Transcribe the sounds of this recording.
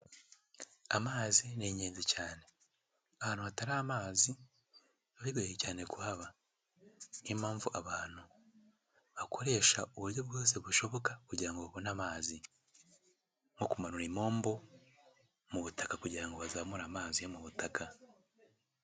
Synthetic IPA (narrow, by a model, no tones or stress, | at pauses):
amaːzineɲeːnzicaːne̞ | aβaːnuβataɾaːmaːzi | βaβiɡweecaːne̞kuhaβa | nimaːɱvuʔaβaːn̥hu | βakʰo̞ɾe̞ːʃauβuɾjo̞b̚ɡo̞ːse̞βuʃo̞βo̞kakuɟiɾaŋɡo̞βaβo̞namaːzi | ŋo̞kumanuɾimo̞ːmbo̞ | muβutḁkakuɟiɾaŋɡo̞βazamuɾaːmaːzijomuβutakʰa